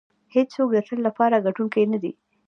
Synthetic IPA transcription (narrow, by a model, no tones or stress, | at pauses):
hed͡ʒsok̚d̪ət̪əllapɑɾaɡaʈuŋkejnad̪ḭ